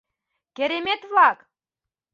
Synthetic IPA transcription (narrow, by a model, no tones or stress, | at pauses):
kʲĕɾʲemʲet̪vɑk